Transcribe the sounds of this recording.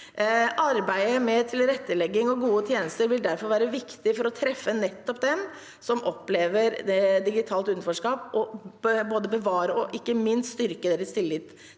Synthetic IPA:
ʔɑɾbæɪəmɛt̪ʰɪlɾɛt̪ːəlɛɡːɪŋɔɡuːət̪ʰjeːnəst̪əɾʋɪld̪æɾfɔɾʋæːɾəʋɪkt̪ɪfɔɾɔt̪ʰɾɛfːənɛt̪ːɔp̚d̪ɛm | sɔmʔɔpːleːʋəɾd̪ɪɡɪt̪ʰɑːlt̪ʉnfɔʂkɑːpʔɔboːd̪əbəʋɑːɾəɔʔɪkːəmɪnst̪st̪ʏɾkəd̪eːɾəst̪ʰɪlːɪt̪ː

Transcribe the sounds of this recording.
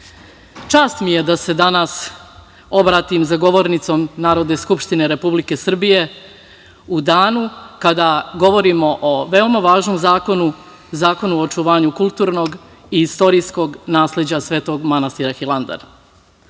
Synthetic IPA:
t͡ʃaːst̪mije̞d̪ase̞d̪anas | o̞bɾaːt̪imzaɡo̞ʋo̞ɾnit̪so̞mnaːɾo̞d̪ne̞skupʃt̪ine̞ɾe̞publike̞sr̩bije̞ | ud̪aːnukad̪aɡo̞ʋo̞ɾimo̞ʔoʋe̞omaʋaːʒno̞mzaːko̞nu | zaːko̞nuot͡ʃuʋaːɲukulˠt̪uːɾno̞ɡ | iist̪o̞ɾiːsko̞ɡnaːsled͡ʑasʋe̞ːt̪o̞ɡmanast̪iɾaxilˠand̪a̰ɾa

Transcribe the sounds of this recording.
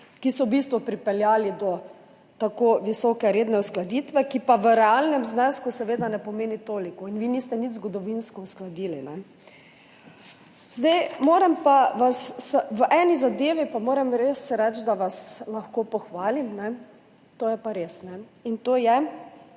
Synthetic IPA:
kisɔbist̪ʋɔpɾipɛljaːlid̪ɔ | t̪akoːʋisɔkɛɾed̪nɛusklad̪iːt̪ʋɛkipaʋəɾɛalnɛmznɛskusɛʋeːd̪anɛpɔmeːnit̪oːlikɔinʋinist̪ɛnit̪zɡɔd̪ɔʋinskɔusklad̪iːlinɛ | zd̪ejmoːɾɛmpaʋasːʋəʔɛnizad̪eːʋipamoːɾɛmɾesːɛɾɛt͡ʃd̪aʋaslaxkoːpɔxʋaːlimnɛ | t̪oːjɛpaɾesnɛint̪oːjɛ

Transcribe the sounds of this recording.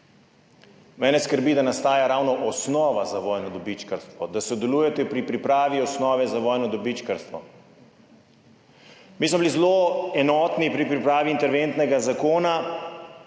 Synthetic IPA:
mɛːnɛskəɾbiːd̪anast̪aːjaɾaːwnɔʔɔsnɔːʋazaʋɔːjnɔd̪ɔbit͡ʃkəɾst̪ʋɔd̪asɔd̪ɛluːjɛt̪ɛpɾipɾipɾaːʋiɔsnɔːʋɛzaʋɔjnɔd̪ɔbit͡ʃkəɾst̪ʋɔ̰ | mismɔbilizloɛnɔt̪nipɾipɾipɾaːʋiːnt̪ɛɾʋent̪nɛɡazakoːna

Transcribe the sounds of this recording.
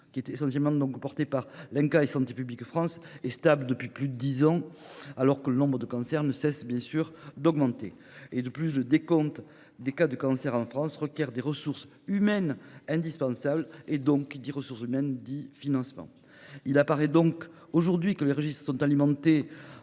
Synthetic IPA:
kʲiɛt̪esɑ̃sjɛlmɑ̃d̪ɔ̃ŋkpɔʁt̪epaʁlɛ̃ŋkaesɑ̃t̪epyblikfχɑ̃sɛst̪abləd̪əpɥiplyd̪əd̪izɑ̃alɔʁkələnɔ̃bʁəd̪əkɑ̃sɛʁnəsɛsbjɛ̃syʁd̪ɔɡmɑ̃t̪e | ed̪əplysləd̪ekɔ̃t̪ | d̪ekad̪əkɑ̃sɛʁɑ̃fχɑ̃sʁəkʲjɛʁd̪eʁəsuʁs | ymɛnɛ̃d̪ispɑ̃sabled̪ɔ̃ŋkd̪eʁəsuʁsymɛnd̪ifinɑ̃smɑ̰̃ | ilapaʁɛd̪ɔ̃k | oʒuʁd̪ɥikəleʁəʒist̪χə̥sɔ̃t̪alimɑ̃t̪e

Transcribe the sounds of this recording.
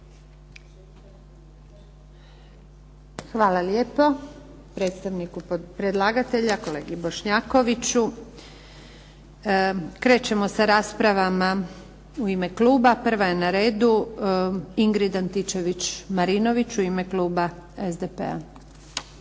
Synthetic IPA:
xʋaːlaljeːpo | pɾe̞t̪st̪aʋnikupɾed̪lˠaːɡat̪e̞ʎako̞le̞ːɡibo̞ʃɲaːko̞ʋit͡ɕu | kɾe̞ːt͡ɕe̞mo̞saɾaːspɾaʋama | uime̞kluːbapr̩ʋaje̞naɾe̞ːd̪u | iŋɡɾid̪ant̪it͡ʃe̞ʋit͡ɕmaɾino̞ʋit͡ʃuime̞kluːbaezd̪epḛa̰

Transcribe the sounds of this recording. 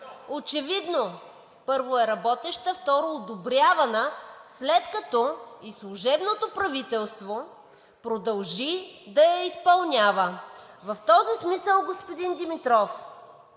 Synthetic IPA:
ot͡ʃɛvid̪no | pɤɾvoɛɾɐbɔt̪ɛʃt̪əft̪ɔɾoːd̪obɾʲjavɐnəslɛt̪kɐt̪ɔislˠuʒɛbnot̪opɾɐvit̪ɛlˠst̪vo | pɾod̪ɐlˠʒid̪ɐjɐispɐlˠnʲavəvɐft̪ɔzismisəlˠɡospod̪ind̪imit̪ɾɔf

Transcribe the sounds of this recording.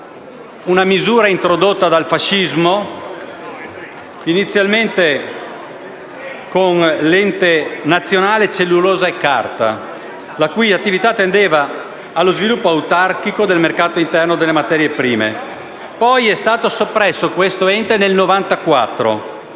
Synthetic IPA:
unamizuːɾaint̪ɾod̪ot̪ːad̪alfaʃːizmo | init̪sːjalment̪e | konlɛnt̪enat̪sːjonaːlet͡ʃelːuloːzaekːa̰rt̪a | lakujat̪ːivit̪at̪ːend̪eːvaː | lːozvilupːoaut̪arkikod̪elmerkaːt̪oint̪ɛrnod̪elːemat̪ɛːɾjepɾiːmḛ | pɔjɛst̪aːt̪osopːɾɛsːokwest̪oɛnt̪enelnovant̪akwat̪ːɾo̰

